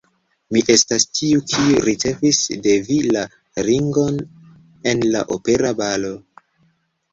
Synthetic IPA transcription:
miʔe̞stastʰiukʰiuɾit͡se̞visde̞vila | ɾiŋɡo̞n | e̞nla̰ʔope̞ɾabalo̞

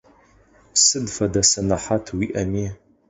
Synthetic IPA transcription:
psɨdfɐdɐsɐnɐħatʰwiʔɐmiː

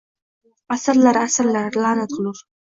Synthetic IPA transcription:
asaɾlaɾasaɾlaɾlanad̪luɾ

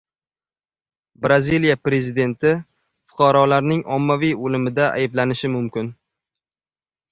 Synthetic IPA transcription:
bɾazilijapɾe̞zid̪e̞nt̪ʰɪ | fʊ̥qʰɑɾɒlaɾnɪŋɒmːavijolɪmɪd̪aʔa̰jblanɪʃɪmʊmkʲɪn

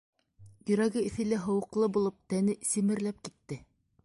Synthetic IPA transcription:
jɵ̆ɾæɡɘɘ̆θɘ̆læɦɤ̆wɤ̆qlˠɤbulˠɤp̚t̪ænɘsimɘ̆ɾlæp̚kit̪ːɘ

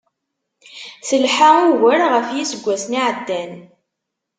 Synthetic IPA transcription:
səlħauɣəɾʁəfjisəɡʷːæsniʕəd̪ːæn

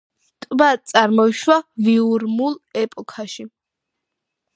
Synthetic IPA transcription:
st̪ʼbat̪sʼaɾmɔiʃwaviuɾmulˠɛpʼɔkʰaʃi

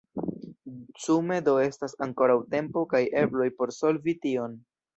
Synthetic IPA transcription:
t͡sume̞do̞e̞stasaŋko̞ɾawte̞mpo̞kaje̞blo̞jpo̞ɾso̞lvitio̞n

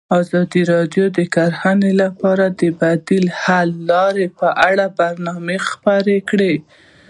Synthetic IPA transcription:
ɑzɑd̪iɾɑd̪jod̪əkaɾhanelapɑɾad̪əbad̪ilhalːɑɾepəʔaɽabaɾnɑmexpaɾekɽe

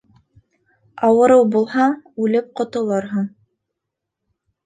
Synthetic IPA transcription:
ɑwɤ̆ɾɤwbulˠhɑɴʉlɘp̚qŏt̪ŏlˠɤɾɦɤɴ

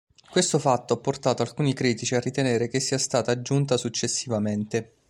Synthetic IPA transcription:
kwest̪ofat̪ːoapːort̪aːt̪oalkuːnikɾiːt̪it͡ʃiarːit̪eneːɾekesːiːast̪aːt̪aːd͡ʒunt̪asut͡ʃːesːivament̪e

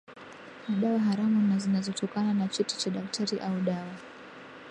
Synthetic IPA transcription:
maɗawaɦaɾamunazinazɔtʰɔkananat͡ʃɛti̥t͡ʃaɗak̚tʰaɾiʔauɗawa

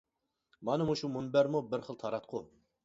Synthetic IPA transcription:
mɑnɨmuʃumunbæɾmubɪɾχəlˠt̪ʰɑɾɑt̪̚qʰu

